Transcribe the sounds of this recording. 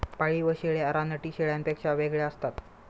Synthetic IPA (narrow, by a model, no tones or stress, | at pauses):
paɭiːʋəɕeɭeaɾanəʈiːɕeɭjampekɕaʋeɡɭeəst̪at̪